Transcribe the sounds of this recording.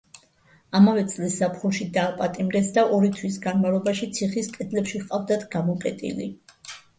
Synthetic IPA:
amavɛt̪sʼlisːapʰχuʃid̪aːpʼat̪ʼimɾɛsd̪aʔɔɾit̪ʰwis̬ɡanmalˠɔbaʃit̪sʰiχiskʼɛd̪lɛpʃiʁqʼavd̪at̪ʰɡamɔqʼɛt̪ʼḭlḭ

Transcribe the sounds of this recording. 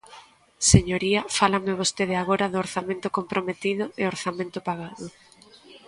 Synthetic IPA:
seɲoɾiɐfalamɪβ̞ost̪eð̞ɪaɣoɾɐðʊːɾθamẽnt̪ʊkompɾomet̪iðʊeoɾθamẽnt̪ʊpaɣaðʊ

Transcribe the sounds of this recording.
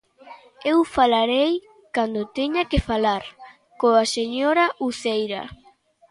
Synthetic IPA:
ewfalaɾej | kand̪ot̪eɲakefalaɾ | koaseɲoɾaʔusejɾa̰

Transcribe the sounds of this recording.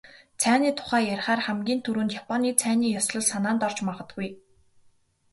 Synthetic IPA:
t͡sʰæːniːt̪ʰʊ̥χæːjaɾʲχaːrχæmɡʲiːnt̪ʰuɾuːnt̪japʰɔniːt͡sʰæːniːjɔsɮɞ̆ɮsanaːnt̪ɔr̥t͡ɕmaʁə̆t̪̚ɡuj

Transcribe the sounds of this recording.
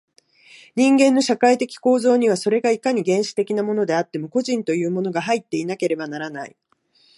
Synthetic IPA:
ɲ̟ĩŋɡẽ̞nːo̞ɕakait̪e̞kʲi̥ko̞ːzo̞ːɲ̟iβ̞aso̞ɾe̞ɡaikaɲ̟iɡẽ̞ɰ̃ɕi̥t̪e̞kʲinamo̞no̞d̪e̞at̪ːe̞mo̞ko̞ʑĩnt̪o̞jɯ̟ːmo̞no̞ɡaɦait̪ːe̞inake̞ɾe̞banaɾanaḭ

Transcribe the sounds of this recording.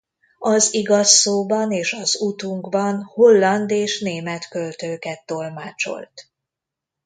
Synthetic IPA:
ɒziɡɒsːoːbɒneːʃɒzut̪uŋkbɒnho̞lːɒnd̪eːʃneːmɛt̪kølt̪øːkɛt̪ːo̞lmaːt͡ʃo̞̰lt̪

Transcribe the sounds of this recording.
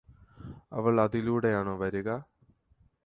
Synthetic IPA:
ɐ̰ʋɐɭɐðiluːɽe̞jaːɳoːʋɐɾuɣɐ

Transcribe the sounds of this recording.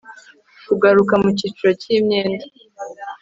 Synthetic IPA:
kuɡaɾukamucit͡ʃuɾo̞cimɲeːnda

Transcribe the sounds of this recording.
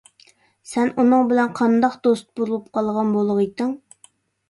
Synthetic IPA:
sɛnʔunɨŋbɪlɛnqʰɑnd̪ɑqd̪ost̪̚buɾulˠup̚qʰɑlˠʁɑnbolˠʊʁɨt̪ɨŋ

